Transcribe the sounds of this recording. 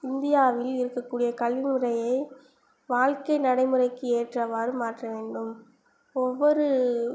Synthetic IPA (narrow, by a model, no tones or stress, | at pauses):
ɪnd̪ɪjaːʋɪlɪɾɯkːɐkːuːɽɪjɐkɐlʋɪmɯɾɐjɐɪ | ʋaːɻkɐɪnɐɽɐɪmɯɾɐɪkːɯeːʈrɐʋaːɾɯmaːʈrɐʋeːɳɖɯm | ɔʋːɔɾɯ